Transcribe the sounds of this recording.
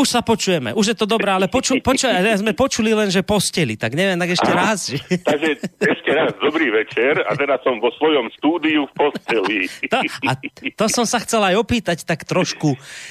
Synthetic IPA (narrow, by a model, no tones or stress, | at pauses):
uʃsapɔt͡ʃujɛmɛ̰ʔuʒjɛt̪ɔd̪ɔbɾɛːalɛpɔt͡ʃupɔt͡ʃazmɛpɔt͡ʃulilɛnʒɛpɔscɛlit̪aɡɲɛʋjɛmt̪aɡɛʃcɛɾazʒɛt̪aɡʒɛɛʃcɛɾazd̪ɔbɾiːʋɛt͡ʃɛɾa̰t̪ɛd̪assɔmʋɔsʋɔjɔmst̪uːd̪iufpɔscɛlit̪ɔat̪ɔsɔmsaxt͡sɛlajɔpiːt̪act̪akt̪ɾɔʃku